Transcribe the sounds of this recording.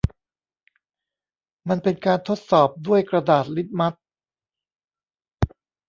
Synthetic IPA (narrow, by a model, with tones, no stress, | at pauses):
ma˧npe˧nkaː˧nt̪ʰo˦˥t̪̚sɔː˨˩p̚du˥˩əjkɾa˧daː˨˩t̪̚li˦˥t̪̚ma˦˥t̪̚